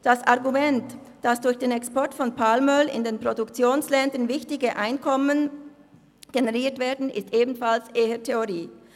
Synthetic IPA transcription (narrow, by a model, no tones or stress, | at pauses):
d̥asʔaʁɡumɛnt | d̥asd̥ʊɐçd̥eːnɛkspɔɐtfɔnpʰalmœlɪ̰ndeːnpʁ̥odʊkt͡sjoːnslɛndənvɪçtɪɡəʔaɪnkʰɔmən | ɡ̥eneʁiːɐtv̥eːɐdn̩ɪ̰stʔeːbn̩falsʔeːətʰeoʁiː